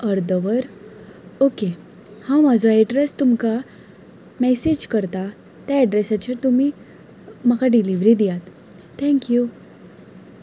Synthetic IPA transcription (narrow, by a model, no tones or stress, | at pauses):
əɾd̪əʋəɾ | oke | hãmad͡zʱɔɛɖɾest̪umka | mɛsed͡ʑkəɾt̪a | t̪aːɖɾesat͡ɕəɾt̪umiː | məkaɖiliʋɾid̪ijat̪ | t̪ʰɛ̃ŋkju